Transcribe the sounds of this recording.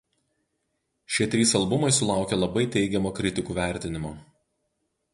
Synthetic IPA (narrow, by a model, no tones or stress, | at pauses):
ʃʲiɛt̪ʲɾʲiːsɐlˠbʊmɐɪsʊlˠɑˑʊkʲeːlˠɐbɐɪt̪ʲɛɪɡʲɛmoːkɾʲɪt̪ʲɪkuːʋʲæˑɾʲt̪ʲɪnʲɪmoː